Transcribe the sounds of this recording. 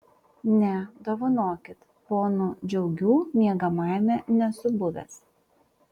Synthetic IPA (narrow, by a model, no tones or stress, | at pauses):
nʲɛd̪oːʋɐnoːkʲɪt̪ | poːnʊd͡ʒʲɛʊɡʲuːmʲiɛɡɐmɑˑɪmʲɛnʲɛsʊbʊʋʲɛ̰s